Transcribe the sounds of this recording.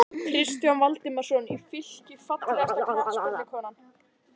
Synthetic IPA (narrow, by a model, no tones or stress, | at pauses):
kʰɾɪst̪jɔnvalt̪ɪmḁsɔnifɪl̥cɪfat̪afsɔlɪkʰɔːnan